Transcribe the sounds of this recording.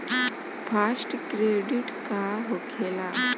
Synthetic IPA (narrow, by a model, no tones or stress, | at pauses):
fasʈkɾeɖiʈkaɦokʰela